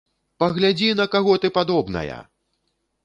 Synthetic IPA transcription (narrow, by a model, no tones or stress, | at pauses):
pɐɣlʲad͡zʲinɐkaɣɔt̪ɨpad̪ɔbnɐ̰jɐ̰